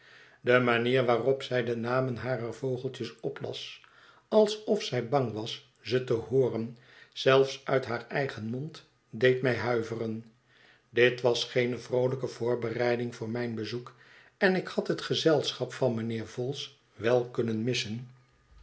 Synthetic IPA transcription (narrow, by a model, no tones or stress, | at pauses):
dəmaniːɹʋaːrɔpsɛjdənaːmənɦaːrərvowχəlˠtəsɔplɑ̰s | ɑlˠsɔfsɛjbɑŋʋɑs | z̥ətəhʊːrən | z̥ɛlˠfsʔœɥtɦaːrɛjχənmɔnt | dejtmɛjɦœɥvərən | dɪtʋɑsχejnəvrowləkəvʊːɹbərɛjdɪŋvʊːɹmɛjnbəzuk | ɛnɪkhɑtɦətχəzɛlˠsχɑpfɑnmənɪːɹvɔlˠs | ʋɛlˠkɵnənmɪsən